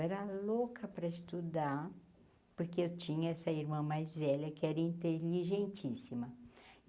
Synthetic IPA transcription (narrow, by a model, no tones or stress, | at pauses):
ɛɾɐlokɐpɾɐɪst̪ud̪a | poɾkeewt͡ʃĩɲɐɛsɐiɾmɐ̃majzvɛʎɐkɪɛɾɐĩnt̪eliʒẽnt͡ʃisimɐ